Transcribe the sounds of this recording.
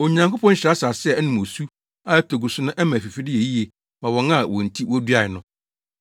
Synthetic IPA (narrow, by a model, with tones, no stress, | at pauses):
o˨ɲã˨ŋkʊ˦pʰɔ̃˦n̩˦ɕɪ˨ɾa˦sa˨sɪ˦ɛ˦nɪ̃˨mo˨su˦ | a˦tʰɔ˨ɡu˨sʊ˦nʊ̃˦ʔɛ˦mã˨fi˨fi˦dɪ˦e˨ji˦e˨ | mã˨wɔ̃˨nã˦wɔ̃˨n̩˨tʰi˦wɔ˦du˦a˨ɪ˨nʊ̃˦